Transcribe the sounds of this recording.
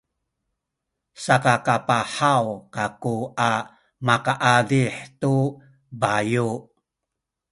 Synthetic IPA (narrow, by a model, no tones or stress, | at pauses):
sakakapaħawkakua | makaʔaɮiħtu | baju